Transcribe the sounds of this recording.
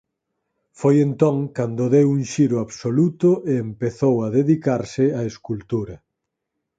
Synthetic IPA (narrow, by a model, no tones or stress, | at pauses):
fojent̪ɔŋkand̪ʊðewuŋʃiɾʊaβsolut̪ʊʔeːmpeθowaðeðikaɾsɪaeskult̪uɾɐ